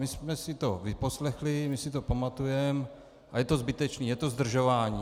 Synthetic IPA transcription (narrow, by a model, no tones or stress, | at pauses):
mɪsmɛsɪt̪ovɪposlɛxlɪmɪsɪt̪opamat̪ujɛm | ʔajɛt̪ozbɪt̪ɛt͡ʃniːjɛt̪ozd̪r̩ʒovaːɲiː